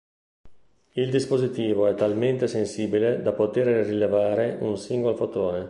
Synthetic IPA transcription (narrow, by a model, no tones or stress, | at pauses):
ild̪ispozit̪iːvoɛt̪ːalment̪esensiːbiled̪apot̪eɾrilevaːɾeunsiŋɡolofot̪oːne